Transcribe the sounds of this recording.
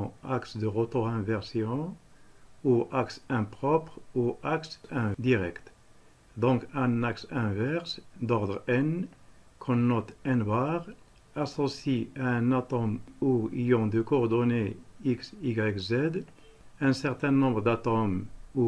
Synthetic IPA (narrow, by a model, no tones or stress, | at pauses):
aksd̪əʁot̪oɛ̃vɛʁsjɔ̃ | uʔaksɛ̃pʁɔpʁuaksɛ̃d̪iʁɛkt̪ | d̪ɔ̃kɛnaksɛ̃vɛʁsd̪ɔʁd̪ʁɛn | kʰɔ̃nɔt̪ɛ̃nbaʁ | asɔsiaɛ̃nat̪ɔmuijɔ̃d̪əkɔːʁd̪ɔneiksiɡʁɛkzɛd̪ | ɛ̃nsɛʁt̪ɛ̃nɔ̃bʁd̪at̪ɔmu